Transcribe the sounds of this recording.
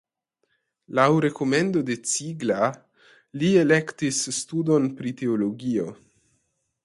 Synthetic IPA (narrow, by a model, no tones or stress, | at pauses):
lawɾe̞ko̞me̞ndo̞de̞t͡siɡla | lie̞le̞ktisːtudo̞npɾite̞olo̞ɡio̞